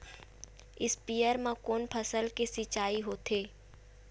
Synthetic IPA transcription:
ɪspijəɾmãkoːnpʰəsəlkesɪt͡ʃaːiɦoːt̪eː

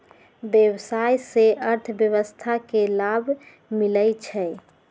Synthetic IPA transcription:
bjəwsajseʔəɾt̪ʰbjəʋəst̪ʰakelabʱ | miləjt͡ʃʰɛ

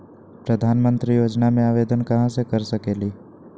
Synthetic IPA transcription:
pɾəd̪ʱaːnmə̃nt̪ɾijoːd͡ʒnamẽaːʋeːd̪ənkɐɦãsekɐɾsɐkeːliː

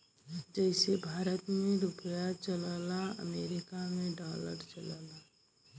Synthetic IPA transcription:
d͡ʒɛɪsebʱaːɾət̪mẽɾʊpjat͡ʃəlaːlaə̰meːɾɪkamẽɖaːlə̰ɾt͡ʃəlaːlaː

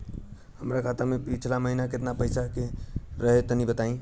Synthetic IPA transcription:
həmɾakʰat̪əmepit͡ʃʰlaməɦinaket̪napəjsakeɾəɦet̪ənibət̪aĩ

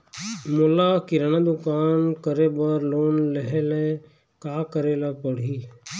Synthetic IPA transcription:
mʊlakiɾanad̪ʊkaːnkəɾebəɾloːnleɦele | kaːkəɾelapəɽ̤iː

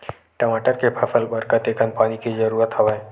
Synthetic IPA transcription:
ʈəmaʈəɾkepʰəfəlbəɾkət̪ekʰənpaːnikid͡ʒəɾuːɾət̪həʋaj

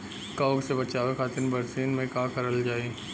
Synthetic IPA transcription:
kaːɡsebɐt͡ʃaːʋekʰaːt̪ɪnbɐɾsiːnmẽkãːkɐɾəld͡ʒaːeː

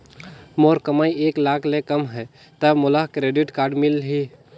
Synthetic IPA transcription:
moːɾkəmaieːklakʰlekəmɦɛ | t̪əbmolaɦkɾeɖiʈkaːɾɖmilɦi

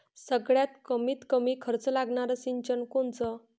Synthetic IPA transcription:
səɡɭjat̪kəmiːt̪kəmiːkʰəɾt͡səlaɡɳaɾəsiɲt͡ɕənkont͡sə

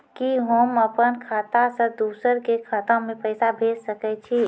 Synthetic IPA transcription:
kiɦoːməpənkʰaːt̪asə̃d̪uːsəɾkekʰat̪ãmẽpəɪsabʱeːd͡ʒsəkɛt͡ʃʰi

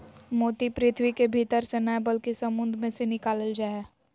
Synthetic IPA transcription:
moːt̪ipɾɪt̪ʰʋikebʱiːt̪əɾsenaɦɛ̃bəlkisɐmʊ̃nd̪ʱmẽsenɪkaːləld͡ʒaːeː

